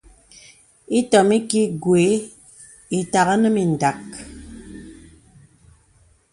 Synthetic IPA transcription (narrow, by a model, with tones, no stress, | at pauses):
i˦tɔ˨mi˦ki˦ɡwe˨˦ | i˨ta˨ɣə˦nə˦mi˨n̩˨da˨k